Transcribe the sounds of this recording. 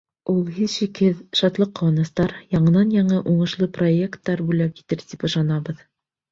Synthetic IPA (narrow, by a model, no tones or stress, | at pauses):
ulˠhiðʃikhɘðʃɑt̪lˠɤqːŏwɑnɤ̆st̪ɑɾjɑɴɤ̆nɑnjɑɴɤʔuɴɤ̆ʃlˠɤpro̞ekt̪ːɑɾbujlæpjit̪ɘɾt̪ipŏʃɑnɑβɤð